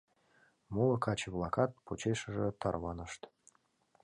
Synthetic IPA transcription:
mulɤ̆kʰɑt͡ɕəblˠɑkɑt̪̚put͡ɕeʃə̆ʒĕt̪ɑrβɑnəʃt̪

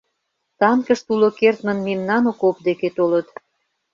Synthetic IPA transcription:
t̪ɑnkəʃt̪ulokert̪mə̆nmemnɑnokop̚d̪eket̪olət̪

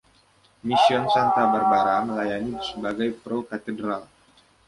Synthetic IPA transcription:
misiɔnsant̪abərbaɾaməlajanibəsəbaɡajpɾokat̪ɛdɾal

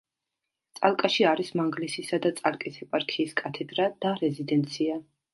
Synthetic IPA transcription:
t̪sʼalˠkʼaʃiaɾismaŋɡlisisad̪at̪sʼalkʼisɛpʼaɾkʰiːskʼat̪ʰɛd̪ɾad̪̥aɾɛzid̪ɛnt̪sʰia

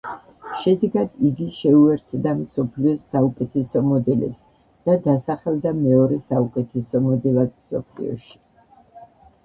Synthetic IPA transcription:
ʃɛd̪ɛɡad̪̥iɡiʃɛuɛɾt̪ʰd̪amsɔpʰliɔsaukʼɛt̪ʰɛsɔmɔd̪ɛlɛ̰ps | d̪̥ad̪asaχɛlˠd̪amɛɔɾɛsaukʼɛt̪ʰɛsɔmɔd̪ɛlˠad̪msɔpʰlḭɔ̰ʃi̥

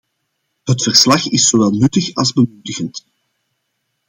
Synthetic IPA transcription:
ɦətfərslɑxɪsowɛlˠnʏtəxɑlˠzbəmutəɣənt

